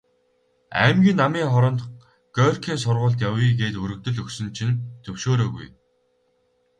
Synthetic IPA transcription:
æ̰ːmɡʲiːnːamiːŋχɔɾɞ̆nt̪ | ɡ̥œːrkʰiːns̬ʊrʁʊːɮt̪̬jawiːɡeːt̪ɵɾɵ̆k̚t̪ɵ̆ɮɵksɵ̆nt͡ɕʰĭnt̪ʰɵwʃoːɾoːɣṵj

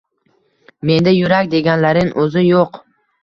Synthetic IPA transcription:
me̞nd̪ajʊɾakʲd̪e̞ɡʲanlaɾɪŋʔɵzɪjoq

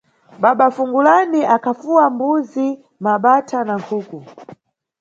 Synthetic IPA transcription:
ɓaɓafuŋɡulaniʔakʰafuwambuzi | maɓatʰanaŋkʰuːku

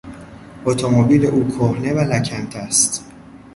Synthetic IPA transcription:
ʔot̪ʰomobiːleʔuːkʰohnevælæcʰænt̪ʰæst̪

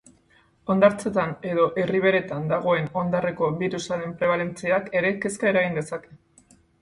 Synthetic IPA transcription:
o̞nd̪aɾt͡se̞t̪ane̞ðo̞ʔe̞riβ̞e̞ɾe̞t̪and̪aɣ̞o̞e̞no̞nd̪are̞ko̞βiɾusaðempɾe̞β̞ale̞nt͡seake̞ɾe̞ke̞skae̞ɾaɣind̪e̞sake̞

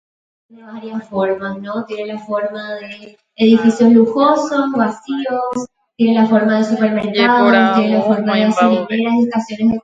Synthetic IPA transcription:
eneβaɾjasfoɾmasno̞t̪je̞nelafo̞ɾmaðe̞ː | ðifisjosluxo̞sosβasios | t̪je̞nelafo̞ɾmaðe̞supe̞ɾme̞ɾkaðost̪je̞nelafo̞ɾmaðeasemaneɾasest̪asjo̞nezðe

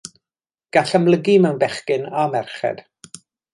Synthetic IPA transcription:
ɡ̥aɬamləɡimɛwnbɛχkɪnamɛrχɛ̰d̥

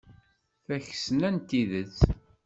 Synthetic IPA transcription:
θæç̥sənænt̪iðət͡sː

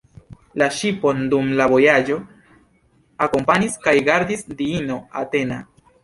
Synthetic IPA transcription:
laʃipo̞ndumlavo̞jad͡ʒo̞ | ako̞mpaniskajɡaɾdisdiino̞a̰te̞na̰

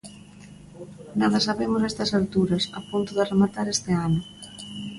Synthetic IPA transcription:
naðɐsaβemʊsɛst̪ɐsalt̪uɾɐsa̰punt̪ʊðɪremat̪aɾest̪ɪanʊ

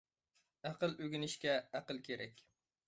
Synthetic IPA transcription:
æqɨlˠɵɡʲɪnɪʃkʲaæqɨlˠkʲʰeɾɛkʲ

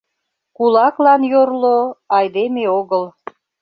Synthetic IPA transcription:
kulɑklɑnjorloɑjd̪emeoɣəl

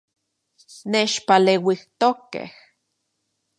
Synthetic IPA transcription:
neʃpalewiht̪okḛh

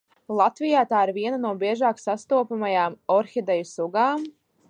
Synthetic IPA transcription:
lˠat̪vijaːt̪aːiɾviɛnanuɔbʲiɛʒaːksast̪uɔpamajaːmɔɾxid̪ɛjusuɡaːm

